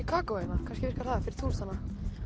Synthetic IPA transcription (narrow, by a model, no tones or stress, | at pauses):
ikʰaːkowenakʰanscɪvɪr̥kaɾ̥θaðfɪɾɪɾ̥t̪ʰuːlsanːa